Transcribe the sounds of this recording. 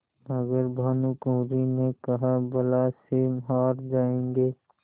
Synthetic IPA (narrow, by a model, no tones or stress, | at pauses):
əɡəɾbʱɐnukõːɾinekəɦabəlasemɦaːɾd͡ʒaːẽːŋɡeː